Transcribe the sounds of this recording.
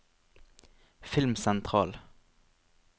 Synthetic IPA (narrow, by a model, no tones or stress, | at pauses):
fɪlmsɛnt̪ʰʁɑːl